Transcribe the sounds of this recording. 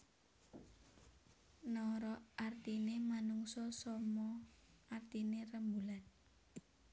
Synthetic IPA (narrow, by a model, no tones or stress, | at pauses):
nɔɾɔart̪inemanuŋsɔsɔmɔ | ʔart̪inerəmbulan